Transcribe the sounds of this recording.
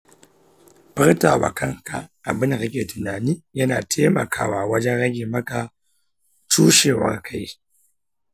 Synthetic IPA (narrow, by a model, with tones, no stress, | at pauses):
pɨ˦ɾta˨wa̰˨ka˦ŋka̰˨a˨bɨ˦nɣi˦kʲe˨tu˨na˨ni˦ja˦na˨tʰe˦ma̰˨kʰa̰˦wa˨wa˦d͡ʒɛ˦ɣa˦ɡʲi˨ma˦ka˦ | t͡ʃu˦ʃe˨wa̰˨ɾkʰa˨j